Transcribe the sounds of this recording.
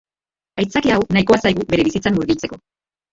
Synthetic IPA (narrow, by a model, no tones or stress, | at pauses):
ajt͡sakiawnajko̞asajɣube̞ɾe̞βisit͡sanːuɾɣit͡se̞ko̞